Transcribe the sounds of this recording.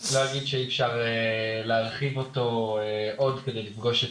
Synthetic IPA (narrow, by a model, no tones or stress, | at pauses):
lojaɡid̪ʃeiːfʃaʁeleaʁχivo̞to̞eʔo̞dkedejlifɡo̞ʃe